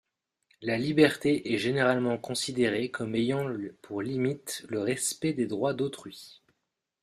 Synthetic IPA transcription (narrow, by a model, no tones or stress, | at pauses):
lalibɛʁt̪eʔɛʒeneʁalmɑ̃kɔ̃sid̪eʁekʰɔmejɑ̃pʰuʁlimit̪ləʁɛspɛd̪ed̪ʁwad̪ot̪χɥi